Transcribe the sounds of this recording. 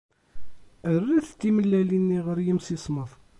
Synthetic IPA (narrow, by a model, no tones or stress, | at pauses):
ərːiθt̪ːiməlːælinːiʁəɾjimsisˤməðˤ